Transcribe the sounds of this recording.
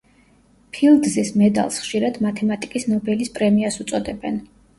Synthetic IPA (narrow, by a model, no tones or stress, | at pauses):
pʰilˠd̪zismɛd̪a̰lˠsχʃiɾad̪mat̪ʰɛmat̪ʼikʼisnɔbɛlispʼɾɛmiasut̪sʼɔd̪ɛbɛn